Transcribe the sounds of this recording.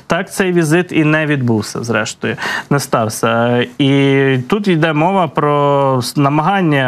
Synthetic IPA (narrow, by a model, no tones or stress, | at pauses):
t̪ɑkt̪sɛjʋʲizɪt̪inɛʋʲid̪buwsʲɐ̰zɾɛʃt̪ɔjʊnɛst̪ɑwsʲɐit̪ut̪id̪ɛmɔʋɐpɾɔnɐmɐɦɑnʲːɐ